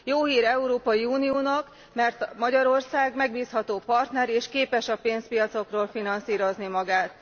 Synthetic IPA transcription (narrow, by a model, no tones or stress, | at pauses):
joːɦiːɾɛuɾoːpɒjiuːnijoːnɒk | mɛrt̪mɒɟɒɾo̞rsaːɡmɛɡ̚biːshɒt̪oːpɒrt̪nɛɾeːʃkeːpɛʃɒpeːnspijɒt̪so̞kroːlfinɒnsiːɾo̞znimɒɡaːt̪